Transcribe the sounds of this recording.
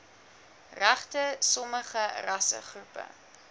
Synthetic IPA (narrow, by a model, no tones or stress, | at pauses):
ræχtəsɔməχərɐsə̰χrupə̰